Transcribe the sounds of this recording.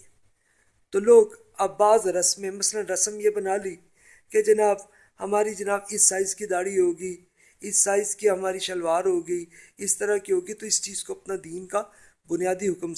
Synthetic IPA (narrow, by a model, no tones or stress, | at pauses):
t̪oːloːɡ | ɐbːaːzɾɐsmẽmɐslənɾɐsəmjebɐnaːliː | ked͡ʒɐnaːb | hɐmaːɾid͡ʒɐnaːbɪsːaːɪzkid̪aːɽiɦoːɡiː | ɪsːaːɪzkiɦɐmaːɾiʃɐlʋaːɾɦoːɡəiːɪst̪əɾakiɦoːɡit̪oɪst͡ʃiːzkoɐpnad̪iːnka | bʊnijaːd̪iɦʊkm